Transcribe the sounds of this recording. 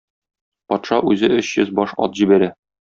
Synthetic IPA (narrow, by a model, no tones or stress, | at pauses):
pɒt̪ʃɑʔʉzɘʔɵɕjɵzbɒʃɒ̰t̪ʑibæɾæ